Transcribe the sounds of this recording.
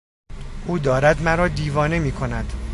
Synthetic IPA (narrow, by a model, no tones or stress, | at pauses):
ʔuːd̪ɒːɾæd̪mæɾɒːd̪iːvɒːne̞miːkʰo̞næd̪̥